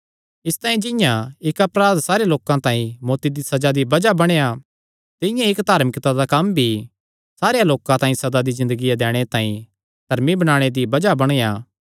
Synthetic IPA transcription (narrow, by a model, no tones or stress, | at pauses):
ɪst̪ãːĩd͡ʒɪ̃jãɪkɐpɾaːd̪saːɾejaloːkãt̪ãːĩmoːt̪id̪isɐd͡ʒad̪ibɐd͡ʒabɐɽ̃eja | t̪ɪjãɪkd̪ʱaːɾmɪkt̪ad̪akɐmbʱi | saːɾejaloːkãt̪ãːĩsɐd̪ad̪izɪ̃nd̪əɡijad̪ɛːɽ̃et̪ãːĩ | d̪̥ʱɐɾmibɐɽ̃aːɽ̃ed̪ibɐd͡ʒabɐɽ̃jaː